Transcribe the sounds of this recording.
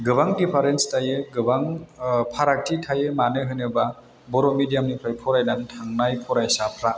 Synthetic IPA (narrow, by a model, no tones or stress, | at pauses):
ɡɯbaŋdipʰaɾenstʰajeɡɯbaŋpʰaɾak̚tʰitʰajemanɯɦɯnɯba | bɔɾɔmidijamnipʰɾajpʰɔɾajnaŋtʰaŋnajpʰɔɾajsapʰɾa